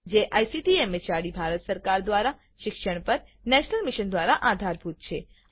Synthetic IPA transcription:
d͡ʒeʔajsiʈiemet͡ʃaɽibʱaɾət̪səɾkaɾd̪ʋaɾa | ʃɪkʃəɽ̃pəɾ | nɛʃnəlmɪʃənd̪ʋaɾaʔad̪ʱaɾbʱut̪̚t͡ʃʰe

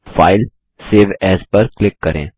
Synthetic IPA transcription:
fa̰ːɪl | seːʋɛːspəɾklɪkːɐɾḛ̃ː

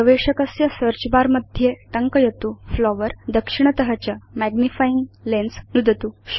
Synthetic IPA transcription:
əʋeʂəkəsjəsəɾt͡ɕbaɾməd̪ʱjeʈ̪əŋkəjet̪uflɔʋəɾd̪əkʂiɳ̃ət̪əɦat͡ɕjamæɡnifajiŋɡlensnud̪ʱət̪u

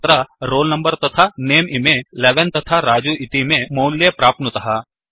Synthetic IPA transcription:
ɾaɾoːlnɐ̃mbəɾt̪ɐt̪ʰaneːmʔimẽleːʋɛnt̪ɐt̪ʰaɾaːd͡ʒuʔɪt̪imẽmoːljepɾaːp̪̚nət̪ɐɦaː

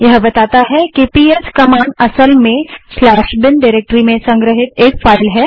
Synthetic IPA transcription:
jɐɦbɐt̪aːt̪aɦɛkipiːeskɐmãːɳɖɐsəlmẽslaːʃbɪnɖɪɾeːk̚ʈɾimẽsɐ̃ŋɡɾəɦɪt̪eːkfaːɪlɦɛː

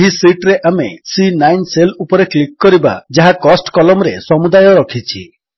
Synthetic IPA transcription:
ɦisiʈɾeʔamesinajnselupɔɾeklikːɔɾiba̰d͡ʒaɦakɔsʈkɔlɔmɾesɔmud̪ajɔɾɔkʰit͡ʃʰi

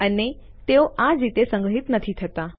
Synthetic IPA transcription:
əne | t̪eoʔãd͡ʒit̪esə̃ŋɡəɦit̪nət̪ʰit̪ʰət̪a

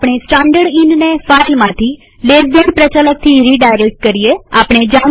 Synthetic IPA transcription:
pɳ̃esʈãɳɖəɽinnefailmãt̪ʰi | leɾd̪ənpɾət͡ʃalək̚t̪ʰiɾiɖajɾek̚ʈ̚kəɾieapɽ̃ed͡ʒa

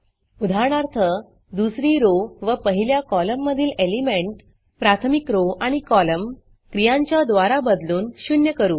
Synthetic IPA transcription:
ud̪ʱaɳ̃aɾt̪ʰə | d̪usɾiːɾoʋəpəɦiljakɔləmːəd̪ʱiːlelimeɳʈ | pɾat̪ʰəmikɾoaɽ̃ikɔləm | kɾijãɲt͡ɕjad̪ʋaɾabəd̪luːnɕunjəkəɾuː

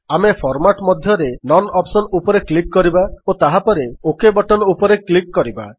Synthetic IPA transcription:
amepʰɔɾmaʈmɔd̪ʱjɔɾenɔnɔpsɔnupɔɾeklik̚kɔɾibaot̪aɦapɔɾeokebɔʈɔnɔupɔɾeklikkɔɾiba̰

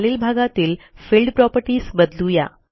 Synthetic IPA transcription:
liːlbʱaɡat̪iːlfilɖpɾɔpəɾʈiːsbəd̪luja̰

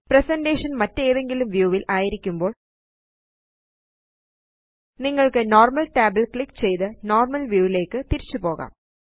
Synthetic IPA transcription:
presɐndeːʂɐnmɐtːe̞ːðe̞ŋɡilumʋjuːʋilʔaːjiɾikʲːumbo̞ːɭ | niŋːɐɭkɨno̞ːrmɐlʈaːbɐlkɭikːt͡ɕe̞jt̪ɨnoːrmɐlʋjuːʋile̞ːkːɨt̪iɾit͡ɕːupo̞ːɣa̰ːm

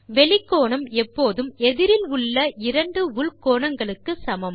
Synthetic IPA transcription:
ʋɛɭɪkːoːɳɐmɛpːoːðɯmɛðɪɾɪlʊɭːɐɪɾɐɳɖɯʊɭkoːɳɐŋɡɐɭɯkːɯsɐmɐm

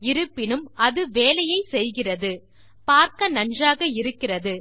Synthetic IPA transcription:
ɪɾɯpːɪnɯmɐðɯʋeːlɐjɐɪsɛjɣɪrɐðɯ | paːɾkɐnɐndraːɣɐɪɾɯkːɪrɐðɯ

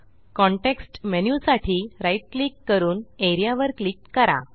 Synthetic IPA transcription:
kɔ̃ɳʈeksʈmenjusaʈʰiːɾaiʈ̚klikːəɾuːneɾijaʋəɾklikkəɾa̰

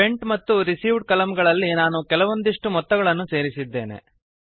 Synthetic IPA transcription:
eɳʈmɐt̪ːuɾisiːʋɖkɐlɐmɡɐɭɐlːinaːnukɛlɐʋo̞nd̪iʂʈumɔt̪ːɐɡɐɭɐnːuse̞ːɾisid̪ːe̞ːne̞̰

